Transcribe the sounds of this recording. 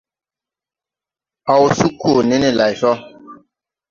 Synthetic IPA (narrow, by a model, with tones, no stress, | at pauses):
a˨wu˨su˦kʰo˨ne˦ne˦la˨jsɔ˦